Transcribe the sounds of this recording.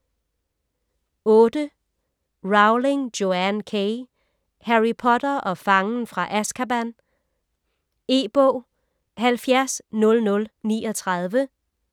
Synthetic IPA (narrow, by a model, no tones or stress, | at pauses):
ɔ̽ːd̥ə | ʁɑ̈ʊle̝ŋd̥jo̝ænkʰeɪ | hæʁipʰɒ̽d̥ɐʔɒ̽fɑ̈ŋn̩fʁɑ̈ʔæskʰæb̥æn | e̝̰ːb̥ɔ̰ː | hælfjæɐsnɔ̽lnɔ̽lnḭːɒ̽t͡sʰʁɑð̞ˠʋə